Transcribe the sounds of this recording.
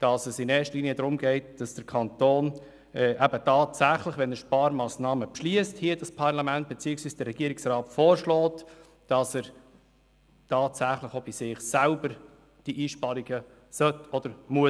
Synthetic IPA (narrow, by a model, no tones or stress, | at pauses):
d̥ɑsɛsinɛːʃtəliːniədɾʊmɡɛɪtd̥ɑsd̥əɾkʰɑnt̪oːn | ɛʔæb̥ətɑːtsæχləχʋɛnəʃpɑːɾmɑːsnɑːməpʃliəsthiəd̥ɑspʰɑɾlɑmænt̚b̥et͡siɪksviːsd̥əɾɾɛɡiəɾiksɾɑːtfɔːɾʃlɔːt | d̥ɑsæɾ | tɑːtsæχləχob̥isɪχsælbəɾ | d̥iʔiːʃpɑɾiɡə | sœtɔd̥̪əɾmuə